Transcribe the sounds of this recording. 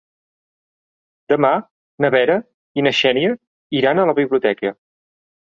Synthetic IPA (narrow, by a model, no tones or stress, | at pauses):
d̪əma | nəβɛɾə | inəʃɛniə | iɾanələβiβliut̪ɛkə